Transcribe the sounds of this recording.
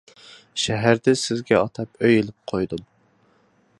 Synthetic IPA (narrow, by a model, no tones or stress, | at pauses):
ʃæɦæɾd̪ɛsɪzɡʲɛɑt̪ʰɑpøjelɪp̚qʰojd̪um